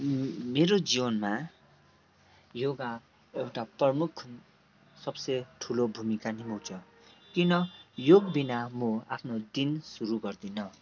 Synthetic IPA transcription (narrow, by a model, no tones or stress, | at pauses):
meɾod͡ziwʌnma | joɡa | ewʈaprʌmukʰː | sʌbseʈʰulobʱumikanimuwt͡sʰʌ | kinʌjoɡbinamoapʰnod̪insuɾuɡʌrd̪inʌ